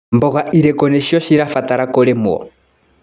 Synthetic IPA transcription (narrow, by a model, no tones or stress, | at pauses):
mbɔɣaʔiɾɛkɔnɛʃiɔʃiɾafat̪aɾakɔlɛmuɔ̰